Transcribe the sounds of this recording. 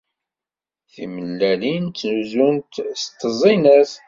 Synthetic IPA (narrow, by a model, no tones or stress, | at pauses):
θḭməlːælinːnuzunt̪st̪ːəzˤinæs